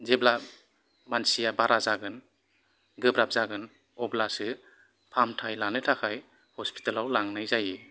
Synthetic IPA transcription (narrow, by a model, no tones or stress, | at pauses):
zebla | mansijabaɾazaɡɯn | ɡɯbɾap̚zaɡɯn | ɔblasɯ | pʰamtʰajlanɯtʰakʰaj | hɔspi̥talawlaŋnɯjzajɯ